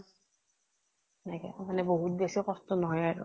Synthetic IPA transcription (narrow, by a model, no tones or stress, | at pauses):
nakɛ̰manɛboɦut̚d̪esɛkɔst̪ɔnɔɦɔjaɹṵ